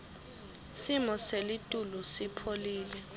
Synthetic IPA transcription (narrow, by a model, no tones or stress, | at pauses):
simɔselitʼulɔsipʰoliːlɛ